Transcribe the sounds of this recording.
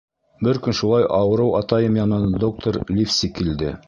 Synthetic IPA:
bɘɾkɵnʃulˠɑjʔɑwɤ̆ɾɤwɑt̪ɑjɤmjɑnɤnd̪ok̚t̪ʰoɾlʲifsʲikild̪ɘ̰

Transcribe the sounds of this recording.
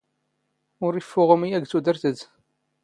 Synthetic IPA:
ʊɾifːʊʁəmijæɡt͡sːud̪əɾθəð

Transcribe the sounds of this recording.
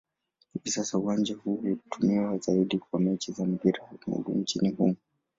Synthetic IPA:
hivisasauwand͡ʒahuiutumiwazaiɗikwamɛt͡ʃizam̩ɡiɾamṵɡṵnt͡ʃinihumu

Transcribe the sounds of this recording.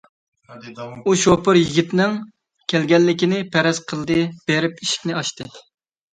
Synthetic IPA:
uʃopɨɾjiɡʲit̪nɨŋ | kʲʰɛlɡʲɛnːɪkʲinɪpʰɛɾɛz̥qʰəlˠd̪ɨb̥eɾɪpiʃi̥kʲnɪɑʃt̪ɨ

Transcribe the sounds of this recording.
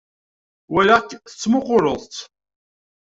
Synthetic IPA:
wælakːθə̥t͡sːmʊqʊɾˤəðˤt̪

